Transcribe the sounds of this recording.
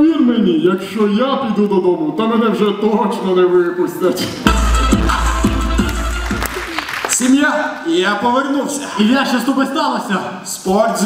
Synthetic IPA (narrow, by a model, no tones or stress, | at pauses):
ʋʲirmɛnʲijɐkʃt͡ʃɔjapʲid̪ud̪ɔd̪ɔmʊt̪ɔmɛnɛwʒɛt̪ɔt͡ʃnɔnɛʋujɛpʊsʲt̪ɛt͡ʃɪ | sʲimjaijapɔʋernuwsʲɐiʋʲjaʃɐst̪upest̪ɑlˠɐsʲɐ | spɔrt̪z